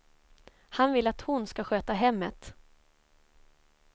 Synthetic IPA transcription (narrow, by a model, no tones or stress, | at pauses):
hanvɪlːat̪hʊnskaɧøːt̪aɦɛmːət̪